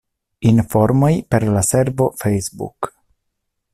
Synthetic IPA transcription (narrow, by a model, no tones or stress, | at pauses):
info̞ɾmo̞jpe̞ɾlase̞ɾvo̞fejsbṵk